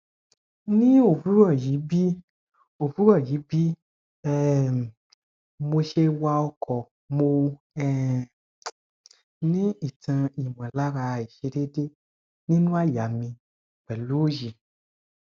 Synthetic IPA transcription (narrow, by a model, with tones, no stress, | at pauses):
nĩ˦o˨vu˦ɾɔ˦˨ji˨˦bi˦ | o˨vu˦ɾɔ˦˨ji˨˦bi˦ | ɛ˦ | mo˧ʃe˧wa˧ɔ˧kʰɔ˨ | mo˧ | ɛ˦ | nĩ˦i˨tã˧i˨mã˨la˦ɾa˧˨i˨ʃe˧de˦de˦ | nĩ˦nũ˦a˦˨ja˨mĩ˧˨ | k͡pɛ˨lu˦o˦ji˧